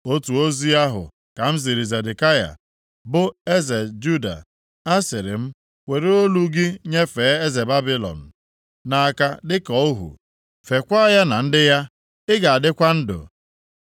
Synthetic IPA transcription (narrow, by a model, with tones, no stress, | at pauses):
o˦tu˨o˦zi˦a˦ɦʊ̰˨ | ka˨m̩˦zi˨ɾi˨ze˨de˨ka˦ja̰˨ | bʊ˦e˦ze˨d͡ʒu˦da̰˨ | a˦sɪ˨ɾɪ̰˨m̩˦ | we˨ɾe˦o˦lu˦ɡɪ˦ɲe˦fe˨˦e˦ze˨ba˦bi˦lɔ̰˨n̩˨ | na˨ka˦dɪ˦kɔ˦o˦ɦṵ˨ | fe˨kʷa˦ja˦na˨n̩˦dɪ˦ja˦ | ɪ˦ɡa˨a˨dɪ˦kʷa˦n̩˦dʊ̰˨